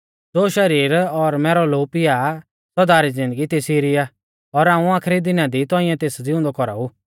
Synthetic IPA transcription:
d͡zoːʃɐɾiːɾɔɾmɛːɾɔloːpɪja | sɔd̪aːɾid͡zɪ̃nd̪əɡit̪esiːɾɪja | ɔɾãːũaːkʰɾid̪ɪnad̪it̪ɔ̃ːɪ̃jɛ̃t̪eːsd͡zɪʊ̃nd̪ɔkɔɾa̰uː

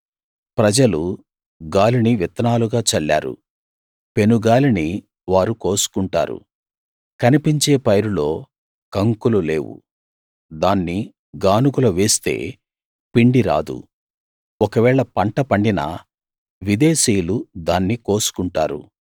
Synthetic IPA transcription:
pɾɐd͡ʒɐlu | ɡaːliniʋit̪ɐnaːluɡaːt͡ʃɐɭːa̰ːɾṵ | pe̞nuɡaːlini | ʋaːɾuko̞ːsu̥kuɳʈa̰ːɾṵ | kɐnipiɲt͡ʃe̞ːpɐjɾulo̞ː | kɐŋkulule̞ːwṵ | d̪aːnːi | ɡaːnuɡulɐʋe̞ːst̪e̞̰ː | piɳɖiɾa̰ːd̪ṵ | ɔkɐʋɛːɭɐpɐɳʈɐpɐɳɖinɐ̰ | ʋid̪e̞ːsiːjulud̪aːnːiko̞ːsu̥kuɳʈa̰ːɾṵ

